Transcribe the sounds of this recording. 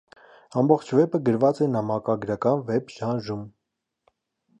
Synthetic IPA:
ɑmbɔχt͡ʃʰvɛpəɡəɾvɑt͡sɛnɑmɑkɑɡɾɑkɑnvɛpʰʒɑnʒum

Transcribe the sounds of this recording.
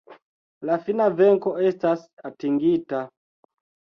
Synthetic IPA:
lafinavɛŋkoestasatiŋɡita

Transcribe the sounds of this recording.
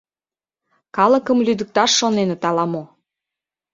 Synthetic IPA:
kɑlə̆kəmlyd̪ə̆k̚t̪ɑʃːonenet̪ɑlɑmo

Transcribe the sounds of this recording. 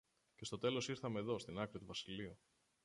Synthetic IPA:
ce̞st̪o̞t̪e̞lo̞siɾθɐmeːðo̞st̪inɐkɾit̪uvɐsiliu

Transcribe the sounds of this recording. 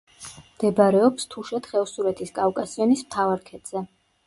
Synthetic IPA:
md̪̥ɛbaɾɛɔpst̪ʰuʃɛt̪χɛlsuɾɛt̪ʰiskʼafkʼasiɔnismt̪ʰavaɾkʰɛt̪z̥ɛ

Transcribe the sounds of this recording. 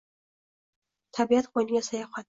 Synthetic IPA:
t̪ʰabiat̪qʰojnɪɡʲasajɒχa

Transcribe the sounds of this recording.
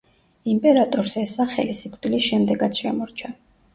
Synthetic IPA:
impʼɛɾat̪ʼɔɾzɛsaχɛ̰lisikʰd̪ilisʃɛmd̪ɛɡat̪sʰʃɛamɔɾt͡ʃʰa

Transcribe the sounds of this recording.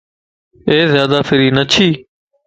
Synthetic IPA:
eːzjaːd̪aːfɪɾiːnət͡ʃʰiː

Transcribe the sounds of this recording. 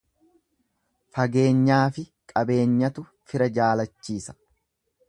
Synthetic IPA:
fɐɡe̞ːɲːaːfɪ | kʼɐbe̞ːɲːɐt̪ʊ | fɪɾɐd͡ʒaːlɐt͡ʃːiːsɐ̥

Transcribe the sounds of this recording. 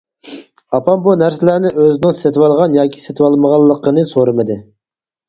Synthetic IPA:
ɑpɑmbunæɾsɪlæɾnɪʔøzɪnɪŋset̪ʰɪwɑlˠʁɑnjɑːkʲʰi̥set̪ʰwɑlˠməʁɑlˠːəqʰənɨsoɾɨmɨd̪ɨ

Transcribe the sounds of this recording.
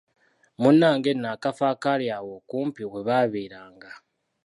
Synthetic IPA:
munːaːŋɡenːakafaːkaɾjawokuːmpiweβaːβiːɾaːŋɡa

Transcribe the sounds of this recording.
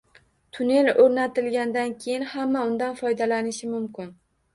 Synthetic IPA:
t̪ʰʊne̞lɵɾnat̪ɪlɡʲand̪ankʲʰejɪnhamːaʊnd̪anfɒjd̪alanɪʃɪmʊmkʲɪn

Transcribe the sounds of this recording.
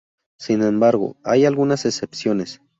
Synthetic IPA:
sinembaɾɣo̰ajalɣunasesepsjones

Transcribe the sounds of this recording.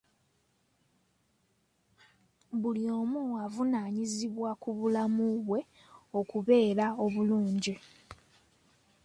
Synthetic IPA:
βulio̞ːmuavunaːɲiziβwakuβulamuβwe̞ | o̞kuβe̞ːɾao̞βuluːɲɟi

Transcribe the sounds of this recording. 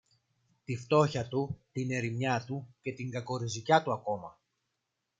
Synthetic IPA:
t̪ift̪o̞çɐt̪ut̪ine̞ɾimɲɐt̪uce̞t̪iŋɡɐko̞ɾizicɐt̪uɐko̞mɐ

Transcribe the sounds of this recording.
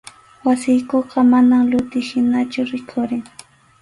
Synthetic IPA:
wasɪjkoqɑmanamlʊt̪ɪʃɪnat͡ʃʊɾɪkʰʊɾɪŋ

